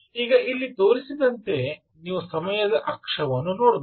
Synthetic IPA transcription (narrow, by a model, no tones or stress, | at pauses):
iːɡɐilːit̪oːɾisid̪ɐnt̪e̞ | niːʋusɐmɐjɐd̪ɐʔɐkʂɐʋɐnːunoːɽu